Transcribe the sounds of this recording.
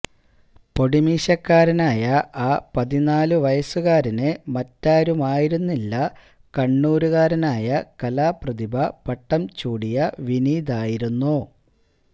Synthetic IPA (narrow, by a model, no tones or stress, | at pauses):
po̞ɽimiːɕɐkːaːɾɐnaːjɐaːpɐðinaːluʋɐjɐsuɣaːɾinɨmɐtːaːɾumaːjiɾunːilːɐ | kɐɳːuːɾuɣaːɾɐnaːjɐkɐlaːprɐðibʱɐpɐʈːɐmt͡ɕuːɽijɐʋiniːðaːjiɾunːu